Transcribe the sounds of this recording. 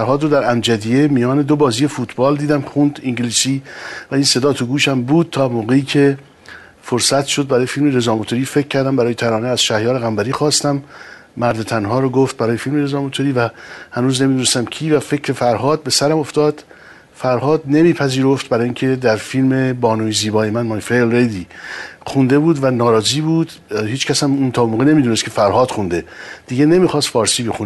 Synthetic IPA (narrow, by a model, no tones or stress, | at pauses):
æɾhɒːd̪ɾod̪æɾæmd͡ʒæd̪ijemijɒːne̞d̪obɒːziːjefuːt̪ʰbɒːld̪iːd̪æmxund̪iŋɟiliːsiːvæiːnse̞d̪ɒːt̪ʰoɡuːʃæmbuːd̪̥̚t̪ʰɒːmoːɣe̞iːcʰe̞ | foɾsæt̪ʃo̞d̪̚bæɾɒːjefiːlmeɾezɒːmot̪ʰoɾiːfe̞cʰːæɾd̪æmbæɾɒːjet̪ʰæɾɒːneæz̥ʃæhjɒːɾeɣæmbæɾiːxɒːst̪æmː | æɾd̪e̞t̪ʰænɦɒːɾoɡoft̪̚bæɾɒːje̞fiːlmeɾezɒːmot̪ʰoɾiːvæhænuːzne̞mid̪unest̪æmcʰiːvæfe̞cʰɾe̞fæɾɦɒːd̪̚be̞sæɾæmo̞ft̪ɒːd̪̥ | fæɾhɒːd̪ne̞miːpʰæziːɾo̞ft̪̚bæɾɒːjiŋcʰe̞d̪æɾfilme̞bɒːnujziːbɒːjemænmɒnfelɾejd̪ixund̪e̞buːd̪vænɒːɾɒːziːbuːd̪ | hiːt͡ʃcʰæshæmunt̪ʰɒːmoːɣene̞miːd̪unest̪kʰe̞fæɾhɒːd̪̥xund̪e̞d̪̥iɟene̞miːxɒːst̪fɒːɾsiːbexun